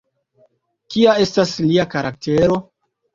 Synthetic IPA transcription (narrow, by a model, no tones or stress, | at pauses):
kiae̞stasliakaɾak̚te̞ɾo̞